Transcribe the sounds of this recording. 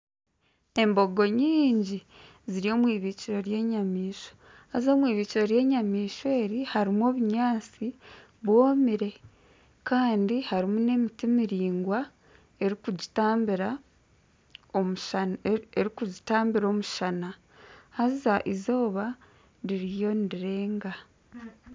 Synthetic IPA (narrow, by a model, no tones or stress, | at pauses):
e̞mbo̞ɡo̞ɲiːɲɟi | ziɾio̞ːmwiːβiːciɾo̞ɾje̞ːɲamiːʃo̞̥ | hazo̞ːmwiːβiːciɾoɾje̞ːɲamiːʃwe̞ːɾihaɾimo̞ːβuɲaːt͡si | βwo̞ːmiɾe̞ | kaːndihaɾimune̞mitimiɾiːŋɡwa | e̞ɾikuɟitaːmbiɾa | omuʃeɾikuɟitaːmbiɾo̞ːmuʃana | hazaʔizo̞ːβa | ɾiɾijo̞niɾiɾe̞ːŋɡa